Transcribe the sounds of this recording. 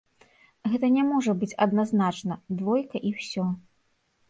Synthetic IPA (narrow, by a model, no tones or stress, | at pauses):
ɣɛt̪ɐnʲamɔʐɐbɨt͡sʲɐ̰d̪naznat͡ʂnɐd̪vɔjkɐʔiwsʲɔ